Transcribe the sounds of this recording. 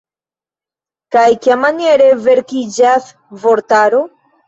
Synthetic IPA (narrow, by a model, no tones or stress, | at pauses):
kajkiamanje̞ɾe̞ve̞ɾkid͡ʒas | vo̞ɾtaɾo̞